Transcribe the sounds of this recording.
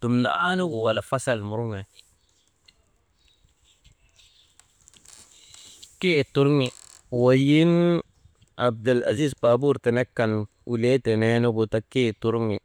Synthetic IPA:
tu˨mnda̰˨a˦nu˦ɡʊ˨wa˨la˨fa˦sa˨lmʊ˨ɾʊ˦ŋɛ˨ | ke˦˨tu˦ɾŋi˨ | wa˨ji˦n | a˨b̚da˨la̰˨zi˦zpa˨bu˦ɾtɛ˨nɛ˦kːa˨n | u˨le˦tɛ˨nɛ˦nʊ˦ɡʊ˨ta˦ke˦˨tu˦ɾŋi˨

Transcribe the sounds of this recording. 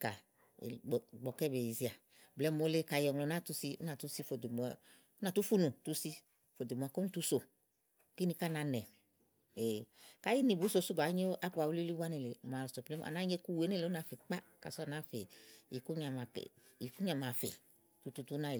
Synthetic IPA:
ka̰˨ | ɡ͡bɔ˨kɛ˦be˨i˨zi˦a˨ | blɛ˨˦mo˨˦le˦ka˨jɔ˨ŋlo˨na˦tu˦si˦ṵ˦na˨tu˦si˦fo˨de˨mɔ˨˦ | na˨tu˦fu˦nu˨tu˦si˦ | fo˨de˨mɔ˨a˨ko˦n˦tu˦so˨ | ki˦ni˧ka˦˨na˧nɛ˨ | e˨ka˦ji˦ni˨bu˨˦so˧su˦ba˨˦ɲe˦o˦ʔa˦k͡pu˧˨a˨wu˦i˦li˦wa˦ne˨le˨m˨a˨lso˨ple˦˨a̰˨na˦ɲe˦ku˦we˨˦ne˦˨le˨˦u˦a˨˧˨fe˨k͡pa˦ka̰˨sɔ˦a˧na˦fe˨i˨ku˦ɲa˨ma˨k | i˨ku˦ɲa˨ma˨fḛ˨ | tu˨˦tu˧tu˦na˦˨

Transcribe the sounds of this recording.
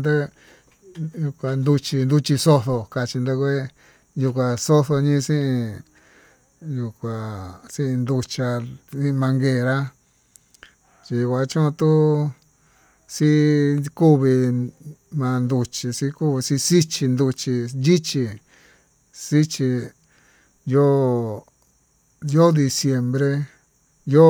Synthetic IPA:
nd̪a˦ | ju˧kʷa˧nd̪u˧t͡ʃi˧nd̪u˧t͡ʃi˧so˦θo˧ka˧t͡ʃi˧nd̪a˧kʷe˦ | ju˧kʷa˧so˦θo˧ɲĩ˦˧sĩ˦ʔĩ˧ | ju˧kʷa˨sĩ˦ĩ˧nd̪u˧t͡ʃa˧sĩ˦˧mã˧ŋɡeː˧˨˧ɾa˦ | t͡ʃi˧kʷa˧˦t͡ʃũ˦˧t̪u˦ | si˦ku˦βi˧ | mã˧nd̪u˧t͡ʃi˧si˧ku˦βi˧si˧si˦t͡ʃi˧nd̪u˧t͡ʃi˧nji˦t͡ʃi˧ | si˦t͡ʃi˧ | jo˦ | jo˦d̪i˧sje˧mbɾe˧ | jo˦

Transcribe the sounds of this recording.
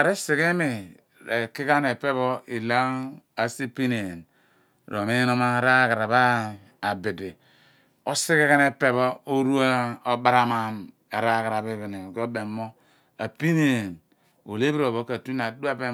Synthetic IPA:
a˨ɾe˦si˨ɣe˦mi˨ | e˨ki˦ka˦ne˨pe˦βo˦i˨la˦a˨si˦pi˦ne˨n | ɾo˨me˦no˦ma˦ɾa˦ɡa˨ɾa˨ba˦ | a˨bi˨di˨ | o˦si˦ke˦ke˦ne˦pe˦βo˦o˦ɾu˦a˦o˦ba˦ɾa˦ma˨m | e˨ɾa˦˨ɣa˨ɾa˨bi˦bi˨ne˨ko˦be˨mːo˦ | a˨pi˦ne˨n | o˨le˦bi˦ɾo˨βo˦ka˨tu˦na˨du˦a˦be˦

